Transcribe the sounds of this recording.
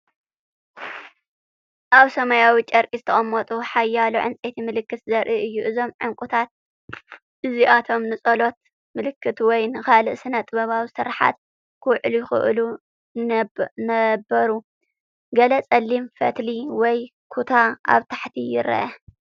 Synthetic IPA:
ʔaβsɐmajawit͡ʃʼɐɾkʼizɨt̪ʰɐχʼɐmːɐt̪ʼuħajːaluʕɨ̰nt͡sʼet̪ʰimɨlɨkːɨt̪zɐɾʔiʔɨjːuʔɨzo̞mʕɨŋkʼut̪ʰat̪̚ | ʔɨziʔat̪ʰo̞mnɨsʼɐlo̞t̪ | mɨlɨkʰːɨt̪wɔjnɨxalɨʔsɨnɐt̪ʼɨβɐβawisɨɾħa̰t̪̚ | kʰɨwʕɨljɪxɨ̰ʔlu | nɐbɐɾu | ɡɐlɐt͡sʼɐlːimfɐt̪liwɔjkʰut̪ʰaʔa̰βt̪ʰaħt̪ʰijɪɾɐ̰ʔɐ

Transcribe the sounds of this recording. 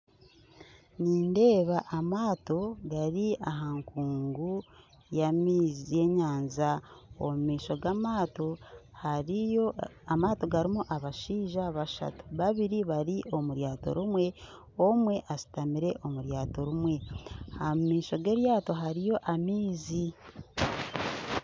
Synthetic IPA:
niːnde̞ːβaʔːmaːto̞ɡaɾiaɦaŋkuːŋɡu | jamiːzije̞ɲaːnzao̰mumiːʃo̞ɡamaːtohaɾioamaːto̞ɡaɾimuʔaβaʃiːʒaβaʃa̰tu̥βaβiɾiβaɾiʔo̞muɾjaːto̰ɾumwe̞ | o̞mwe̞ʔasi̥tamiɾeʔo̞muɾjaːto̞ɾumwe̞amiːʃo̞ɡe̞ːɾjaːto̞ɦaɾijo̞ʔamiːzi

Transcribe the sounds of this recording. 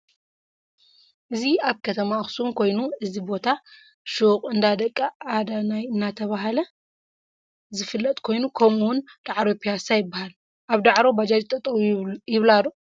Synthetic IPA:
ʔɨziaβkʰɐt̪ʰɐmaxsumkʰo̞jnuʔɨzibo̞t̪ʰa | ʃokʼɨnd̪ad̪ɐkʼːaʔad̪anajɨnːat̪ʰɐβaɦalɐ | zɨfɨlːɐt̪ʼkʰo̞jnukʰɐmuwʊnd̪̥aʕɾopʰijasajɪbːahal | ʔaβd̪aʕɾobad͡ʒad͡ʒit̪ʼɐt̪ʼɐwjɪβlalo

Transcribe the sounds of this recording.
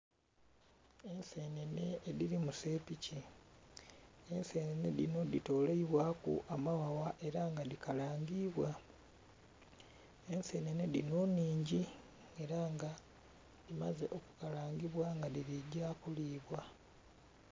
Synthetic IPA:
e̞nse̞ne̞ne̞ːðilimuse̞ːpici | ense̞ːnene̞dḭno̞dito̞ːleiβwaːkṵʔamawawaʔe̞ɾaŋɡadikalaːŋɡiβwa | ense̞ːne̞ne̞dino̞ːnːiːɲɟi | e̞ɾaŋɡa | dimaze̞ʔo̞kukalaːŋɡiβwaŋɡadiɾiɟakuliːβwa

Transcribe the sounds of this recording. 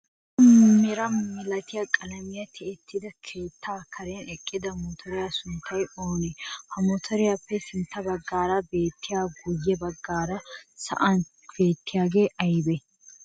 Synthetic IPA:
ɐmɛɾɐmɪlɐt̪ɪjakʼɐlɐmɪjɐt̪ʰɛɛt̪ʰːɪd̪ɐkʰe̞ːt̪ʰːaːkʰɐɾɛnɛkʼːɪd̪ɐmɔt̪ʰɔɾɪjaːsʊnt̪ʰːɐjoːnɛhɐmɔt̪ʰɔɾɪjapːɛsɪnt̪ːɐbɐɡːaːɾɐbe̞ːt̪ːɪjaːɡʊjːɛbɐɡːaːɾɐsɐ̰ʔɐn | b̥e̞ːt̪ːɪjaːɡe̞ːʔɐjbɛ

